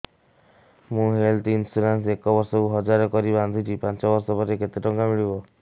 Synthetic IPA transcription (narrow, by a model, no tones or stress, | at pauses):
mũɦelt̪iinsuɾansekɔbɔɾsɔkuɦɔd͡ʒaɾɔkɔɾiband̪ʱit͡ʃʰipant͡ʃɔbɔɾsɔpɔɾeket̪iʈɔŋkamiɭibɔ